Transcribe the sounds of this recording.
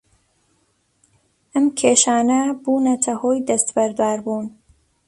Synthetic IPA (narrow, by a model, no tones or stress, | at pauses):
ʔɐmkʰeːʃaːnabuːnɐt̪ʰɐhoːjd̪ɐst̪bæɾd̪aːɾbuːn